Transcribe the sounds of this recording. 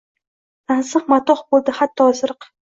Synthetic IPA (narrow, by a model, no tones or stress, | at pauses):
d̪ansɨqmat̪ɒχbolˠd̪ɪhat̪ʰːɒːzɨɾɨq